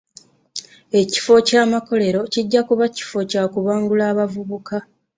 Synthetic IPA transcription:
e̞ci̥fo̞caːmako̞le̞ɾo̞ciɟːakuβaci̥fo̞caːkuβaːŋɡulaːβavuβuka

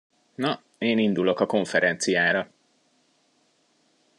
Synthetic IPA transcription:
nɒ | eːnind̪ulo̞kɒko̞ɱfɛɾɛnt̪sijaːɾɒ

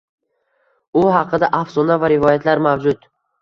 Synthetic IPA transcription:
ʊɦɑqʰɨd̪aʔafsɒnavaɾɪvɒjat̪ʰlaɾmawd͡ʒʊd̪

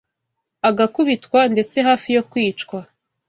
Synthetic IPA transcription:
aɡakuβitkwande̞t͡se̞ɦaːfijo̞kwiːt͡ʃkwa

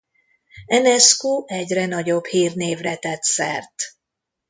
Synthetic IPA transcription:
ɛnɛskuːʔɛɟrɛnɒɟo̞bhiːrneːvrɛt̪ɛt̪sɛ̰rt̪

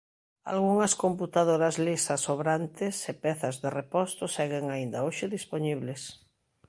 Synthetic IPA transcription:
a̰lɣuŋɐskomput̪aðoɾɐzlisɐsoβɾant̪ɪsepɛθɐzðerepɔst̪ʊsɛɣɪŋaind̪aoʃɪðisponiβles

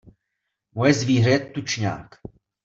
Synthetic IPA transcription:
mojɛzviːɦɾɛt̪ːut͡ʃɲa̰ːk

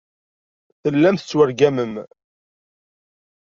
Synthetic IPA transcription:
θəlːæmθə̥t͡sːwəɾɡæməm

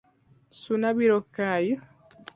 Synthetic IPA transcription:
sunabiɾokaji

